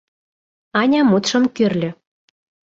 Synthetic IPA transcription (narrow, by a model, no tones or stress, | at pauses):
ɑnʲɑmut̪ʃɤ̆mkørlʲø̆